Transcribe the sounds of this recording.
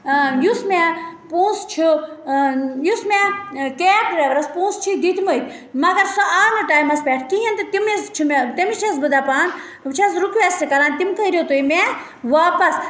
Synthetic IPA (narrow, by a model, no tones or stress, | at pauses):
jusmepũːst͡ʃʰi | jusmẽkeːʈɾeʋɾɐspũːnst͡ʃʰid̪it̪ʰməit̪ʰʲ | mɐɡɐɾsoaːnɨʈaːjmɐspʲeːʈʰkiɦɐnt̪ɨt̪imist͡ʃʰimet̪imit͡ʃʰɐs̬bɨd̪aːpaːn | t͡ʃʰɐsɾukʋeːst̪ikɐɾaːnt̪imkɐiɾʲot̪uime | ʋaːpɐs